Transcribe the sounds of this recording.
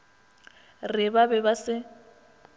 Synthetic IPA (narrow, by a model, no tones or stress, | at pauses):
rɪbabɛbasɪ